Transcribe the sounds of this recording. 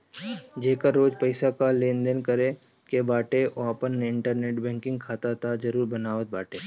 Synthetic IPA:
d͡ʒeːkəɾːoːd͡ʒpəɪsakaleːnd̪ənkəɾe | kebaːʈeʔoapənːeɪ̃ɳʈəɾneːʈbɛ̃ːŋkɪ̃ŋɡkʰaːt̪at̪ʰad͡ʒɐɾuːɾbɐnaːʋət̪̚baːʈeː

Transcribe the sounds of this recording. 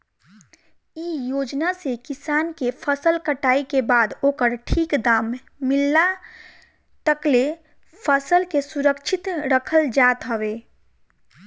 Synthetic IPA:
ijoːd͡ʒnasekɪsaːnkepʰəsəlkəʈaːikebaːd̪oːkəɾʈʰiːkd̪aːmː | ɪlːa | t̪əkle | pʰəsəlkesuɾəkt͡ʃʰɪt̪ɾəkʰəld͡ʒaːt̪ɦəweː

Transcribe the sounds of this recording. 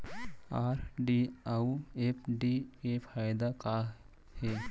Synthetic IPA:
aːɾɖiauepʰɖikepʰaːjd̪aka | he

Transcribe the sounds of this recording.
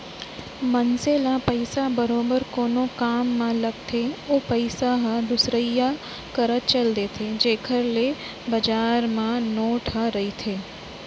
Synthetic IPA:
mənseːlãpəɪsabəɾoːbəɾkoːnokaːmːãlɐɡ̚t̪ʰeoːpəɪsaɦəd̪ʊsɾəija | kəɾət̪̚t͡ʃəld̪et̪ʰed͡ʒeːkʰəɾle | bɐd͡ʒaːɾmãnoːʈʰəɾɐit̪ʰeː

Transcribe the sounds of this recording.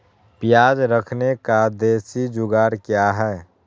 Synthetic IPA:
pijaːd͡ʒɾəkʰnekad̪eːsid͡ʒʊɡaɾkjaɦɛː

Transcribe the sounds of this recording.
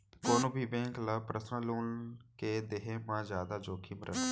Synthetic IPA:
koːnõːbʱiːbẽːŋklaːpɾəsnãːluːnkeːd̪eɦẽːmãːzjaːd̪aːd͡ʒoːkʰiːməɾə̰t̪

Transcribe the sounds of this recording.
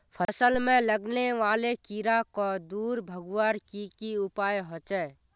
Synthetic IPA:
pʰəsəlmẽləɡneʋaːlekiɾakɔd̪uːɾbʱəɡwaɾkikiʊpaːjɦot͡ʃɛː

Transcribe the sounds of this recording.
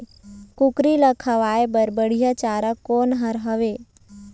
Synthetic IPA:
kʊkɾiləkʰɐʋaːebəɾbəɽ̤ijat͡ʃaːɾəkːoːnɦəɾɦəʋeː

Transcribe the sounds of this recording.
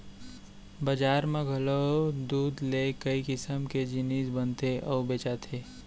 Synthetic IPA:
bəd͡ʒaːɾmẽɡʱɐlod̪uːd̪lekəikɪsəmked͡ʒɪniːsbənt̪eʔɔʊbeːt͡ʃat̪ʰeː

